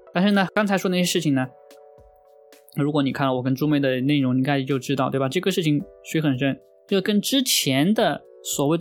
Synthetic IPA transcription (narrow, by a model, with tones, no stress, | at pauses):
t̪a˥˧nʂɻ̩˥˩nə˩kɑ˥ŋt͡sʰa˧˥ɪʂɔ˥ə˧na˥˩jʂɻ̩˥˩t͡ɕʰi˨˩ŋnə˩ | ɻu˧˥kwɔ˧˥ni˨˩kʰa˥˩nlwɔ˨˩kə˥nʈ͡ʂu˥me˥˩ɪd̪ə˩ne˥˩ɪɻʊ˧˥ŋni˧˥ka˥ɪʂɻ̩˧˩jo˥˧ʊʈ͡ʂɻ̩˥t̪ɑ˥˧ʊt̪we˥˩ba˩ʈ͡ʂɤ˥˩ɡə˩ʂɻ̩˥˩t͡ɕʰi˨˩ŋʂwi˧˥ɪxə˨˩nʂə˥˩n˥˩ | kə˥nʈ͡ʂɻ̩˥t͡ɕʰjɛ˧˥nd̪ə˨ | swɔ˨˩we˥˩ɪdə